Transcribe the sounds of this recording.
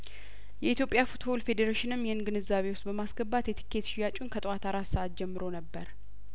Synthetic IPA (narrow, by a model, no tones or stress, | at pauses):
jɛʔit̪ʰjopʼjafut̪bo̞lfe̞d̪eɾeʃɪnɨmːjɛɨnɡɨnɨzːaβe̞wst̪̚bəmasɡəbat̪jɛt̪ʰi̥kʰːe̞t̪ʃɪjːat͡ʃʼunkʰət̪ʼwat̪ʰaɾassəat̪̚d͡ʒɛmːɨɾo̞nəbːəɾ